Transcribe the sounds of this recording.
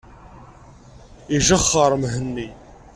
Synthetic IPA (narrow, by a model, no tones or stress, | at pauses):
iʒəχːəɾˤmɦənːi